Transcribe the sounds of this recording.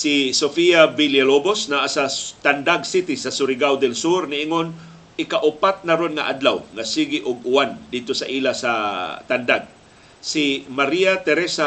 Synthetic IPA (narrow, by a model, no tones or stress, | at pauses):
sisofijabiljalobosnaʔasat̪and̪aɡsit̪ɪsasʊɾɪɡawd̪ɛlsuɾnɪʔɪŋon | ɪkaʔʊpat̪̚naɾonŋa̰ʔa̰d̪lawŋasiɡiʔʊɡʊwand̪ɪd̪̚t̪osaʔiːlasat̪and̪aɡ̚ | simaɾijat̪ɛɾɛsa